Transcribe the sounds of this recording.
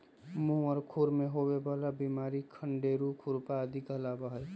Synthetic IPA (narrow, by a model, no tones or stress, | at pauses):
mũɔɾkʰuɾmẽɦowebalabimaːɾikʰəɳɖeːɾukʰuɾpaəd̪ʱikəlabəɦəl